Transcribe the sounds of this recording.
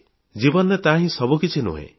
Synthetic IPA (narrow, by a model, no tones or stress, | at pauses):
d͡ʒibɔnet̪aɦĩsɔbukit͡ʃʰinṵɦḛ̃